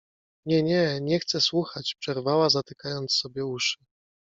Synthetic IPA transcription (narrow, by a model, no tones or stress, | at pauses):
ɲɛɲɛɲɛxt̪sɛswuxat͡ɕpʂɛɾvawazat̪ɘkajɔnt̪sːɔbʲjɛuʂɘ̥